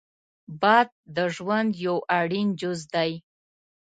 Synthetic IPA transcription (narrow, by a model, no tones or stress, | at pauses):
bad̪̚ːəʐwand̪jowʔaɽind͡ʒʊzd̪aj